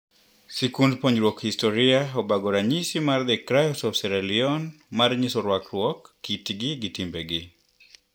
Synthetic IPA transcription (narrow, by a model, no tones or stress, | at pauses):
sikundpɔɲɾwɔkhistɔɾiaɔbaɡɔɾaɲisimarðɛkɾajɔsɔfsɛɾɛliɔnmaɾɲisɔɾwakɾwɔkːitɡiɡitimbɛɡɪ